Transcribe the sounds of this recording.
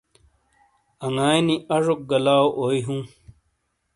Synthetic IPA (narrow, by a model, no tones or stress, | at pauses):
ɐŋaːjniɐʐok̚ɡɐlaːoʔoːiɦũː